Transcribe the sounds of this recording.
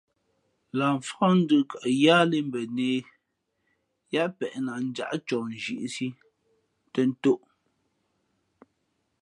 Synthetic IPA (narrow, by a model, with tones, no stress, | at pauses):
laː˨ɱ˨fɔ˦n̩˦də˦ka˨ʔjaː˦le˦m˦bɛ˨neː˨ | ja˦ʔpɛ˨ʔna˨n̩˦d͡ʒa̰˦˨ʔt͡ʃɔ˨n˨d͡ʒḭ˨ʔsi˦ | tə˦n̩˦to˦ʔ